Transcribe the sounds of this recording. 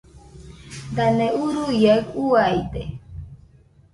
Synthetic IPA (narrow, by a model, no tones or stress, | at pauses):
d̪aneuɾujakuajt̪e